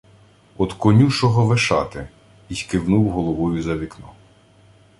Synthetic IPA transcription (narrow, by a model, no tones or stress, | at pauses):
ɔd̪kɔnʲuʃɔɦɔʋeʃɑ̰t̪ɪ | isʲkɪwnuwɦɔlˠɔʋɔjʊzɐʋʲiknɔ